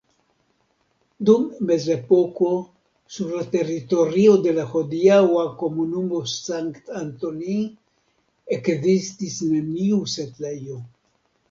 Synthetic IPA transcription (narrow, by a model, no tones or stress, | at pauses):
d̪ummezepoko | suɾlat̪erit̪oɾiod̪elaxod̪iawakomunumosaŋkt̪ant̪oni | ekzist̪isnemniuset̪lejo